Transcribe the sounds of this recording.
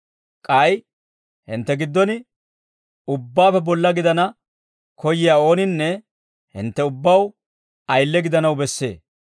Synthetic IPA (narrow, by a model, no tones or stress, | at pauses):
kʼɐj | hɪ̰nt̪ːɛɡɪd̪ːɔnɪ | ʊbːaːfɛbɔlːɐɡɪd̪ɐnɐ | kʰɔjɪjaːo̞ːnɪnːɛ | hɪ̰nt̪ːɛʊbːɐw | ɐjlːɛɡɪd̪ɐnɐwbɛsːḛː